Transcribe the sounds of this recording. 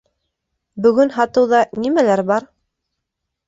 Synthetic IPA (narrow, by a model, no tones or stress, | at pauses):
bɵ̆ɡɵnɦɑt̪ɤ̆wðɑnimælæɾbɑɾ